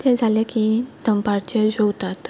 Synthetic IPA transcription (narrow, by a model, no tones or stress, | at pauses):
t̪ed͡zʱalekid̪̥əmpaɾt͡ɕed͡ʑowt̪at̪